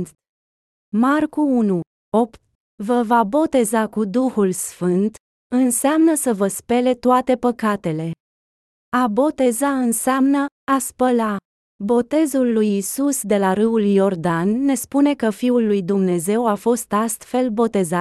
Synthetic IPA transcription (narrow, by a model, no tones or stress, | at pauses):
markuunu | o̞pt̪̚ | vəvabo̞t̪e̞zakud̪uhulsfɨnt̪ | ɨnseamnəsəvəspe̞le̞t̪oat̪e̞pəkat̪e̞le̞ | abo̞t̪e̞zaɨnseamnəaspəla | bo̞t̪e̞zulːujisusd̪e̞laɾɨuljo̞rd̪anːe̞spune̞kəfiulːujd̪umne̞ze̞wafo̞st̪ast̪fe̞lbo̞t̪e̞zat̪